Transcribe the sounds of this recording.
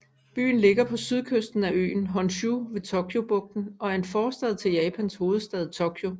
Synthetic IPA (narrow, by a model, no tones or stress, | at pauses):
b̥y̰ːn̩le̝ɡ̥ɐpʰɒ̽syðˠkʰøsd̥n̩æø̰ːn̩ɦɒnɕuʋe̝t͡sʰokʰjo̝b̥ɔ̽ɡ̥̚d̥n̩ɒ̽æɐe̝nfɒːsd̥ɛð̞̩̰ˠt͡sʰe̝ljɛːpʰænsho̝ːð̞̩ˠsd̥ɛð̞ˠt͡sʰokʰjo̝